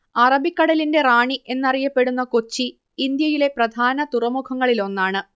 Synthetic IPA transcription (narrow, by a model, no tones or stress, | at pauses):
ɐrɐbikːɐɽɐlinde̞raːɳiʔe̞nːɐrijɐpːe̞ɽunːɐkot͡ɕːiː | nd̪jɐjile̞prɐd̪ʱaːnɐt̪urɐmukʰɐŋːɐɭilo̞nːaːɳɨ